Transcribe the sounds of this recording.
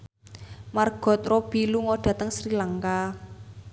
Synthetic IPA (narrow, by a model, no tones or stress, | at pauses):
marɡ̥ɔ̤t̪̚rɔb̥i̤luŋɔɖ̥a̤t̪əŋsɾilaŋka